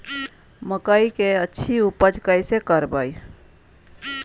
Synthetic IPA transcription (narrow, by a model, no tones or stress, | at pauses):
məkəikeətːʃʰiupəd͡ʒkəjsekəɾbəj